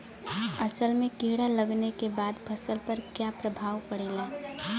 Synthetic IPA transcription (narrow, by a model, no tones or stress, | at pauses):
ɐsəlmẽkiːɽaləɡnekebaːd̪bʰʱɐsəlpɐɾkjapɾəbʱaːwpəɽilaː